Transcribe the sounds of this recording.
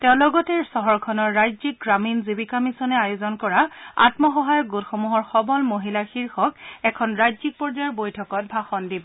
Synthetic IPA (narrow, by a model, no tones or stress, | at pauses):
tɛʊ̃lɔɡɔtɛɹsɔɦɔɹkʰɔnɔɹːajzik̚ɡɹaminzibikamisɔnɛajozɔnkɔɹaa̰tmɔxɔɦajɔk̚ɡutxɔmuɦɔɹxɔbɔlmoɦilaxiɹxɔkɛkʰɔnɹajzik̚pɔɹd͡ʒajɔɹbojtʰɔkɔt̚bʱaxɔndibɔ